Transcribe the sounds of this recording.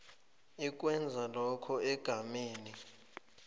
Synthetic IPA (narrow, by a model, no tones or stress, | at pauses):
ik̬ʼwɛnd͡zʱalɔkʰɔɛɡ̥ʱameːni